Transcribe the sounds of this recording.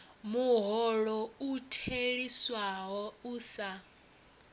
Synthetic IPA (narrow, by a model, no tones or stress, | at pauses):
muɦɔɺɔutʰeɺiswaɦɔuːsa